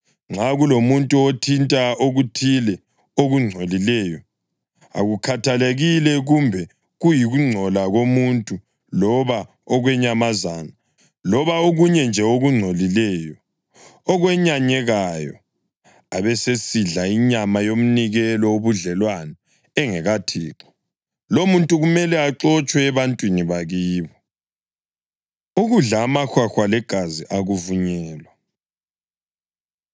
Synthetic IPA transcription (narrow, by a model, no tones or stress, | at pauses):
ŋ͡ǁʱaɣulomuntʼuotʰintʼaoɣutʰilɛ | oɣuŋ͡ǀʱolilɛːjɔ | a̰ɣukʰatʰaleɣilɛɣumbʱɛ | ɣujiɣuŋ͡ǀʱɔlaɣomuntʼu | lɔβa | ɔɣwɛɲamazaːna | lɔβaoɣuɲɛnd͡ʒʱɛoɣuŋ͡ǀʱolilɛjɔ | ɔɣwɛɲaɲɛɣajɔ̰ | aβɛsesiɮaiɲamajom̩niɣɛlɔoβuɮɛlwana | ɛŋɛɣatʰiːǁɔ̥ | lomuntʼuɣumɛlɛaǁɔt͡ʃʼwɛːβantʼwiniβaɣiːβɔ | uɣuɮamaxwaxwalɛɡ̥ʱaziʔaɣuvuɲɛːlwa